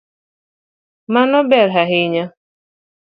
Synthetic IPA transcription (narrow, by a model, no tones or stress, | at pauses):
manɔbɛɾɦaɦɪɲa